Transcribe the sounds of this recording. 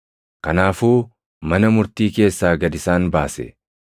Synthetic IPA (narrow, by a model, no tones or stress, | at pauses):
kɐnaːfuː | mɐnɐmʊɾt̪iːke̞ːsːaːɡɐd̪ɪsaːnbaːsɛ̰